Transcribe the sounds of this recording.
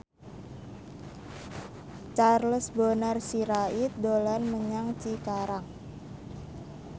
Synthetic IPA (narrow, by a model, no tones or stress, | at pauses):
t͡ʃarləsbonarsiɾait̪̚dolanməɲaŋt͡ʃikaɾaŋ